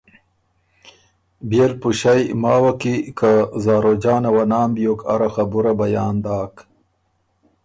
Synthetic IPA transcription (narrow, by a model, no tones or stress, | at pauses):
beːlpuɕajmaːwakikazaːɾod͡ʑaːnawanaːmbjokʰɐ̰ɾaxɐbuɾabɐjaːnd̪aːk